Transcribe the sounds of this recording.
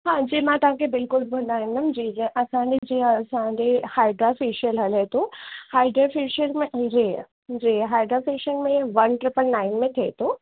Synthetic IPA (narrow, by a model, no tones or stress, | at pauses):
ɦãːd͡ʑiːmãːt̪ɐʋ̤ãkʰebɪlkʊlbʊ̃nd̪aːɦĩŋɡ̪əmd͡ʑĩːʔɐsãːɲd͡ʑed͡ʑiːɐsãɲd͡ʑehaːɪɖɾoːfiːʃiəlɦɐlet̪ʰũhaːɪɖɾəfiːʃəɾmẽd͡ʑe | d͡ʑiːɦaːɪɖɾofiːʃəlmẽʋɐnʈɾɪpəlnaːɪnmẽt̪ʰeːt̪ʰõː